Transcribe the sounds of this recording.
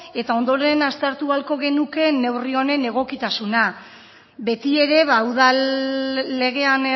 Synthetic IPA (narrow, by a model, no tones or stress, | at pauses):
e̞t̪ao̞nd̪o̞ɾe̞nast̪aɾt̪ualko̞ɣe̞nuke̞ne̞wrio̞ne̞ne̞ɣ̞o̞kit̪asuna | be̞t̪ie̞ɾe̞βauðalː | e̞ɣ̞e̞an